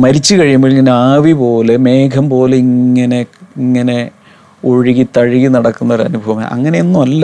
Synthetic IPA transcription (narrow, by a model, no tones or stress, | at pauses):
mɐɾit͡ɕːɨkɐɻijumboːɭiŋːɐneaːʋipo̞ːle̞me̞ːkʰɐmpo̞ːle̞iŋːɐne̞iŋːɐne̞ | oɻiɣit̪ɐɻiɣinɐɽɐkːunːɐʋɐrɐ̰nubʱɐʋɐma̰ʔɐ̰ŋːɐne̞enːumɐlːɐ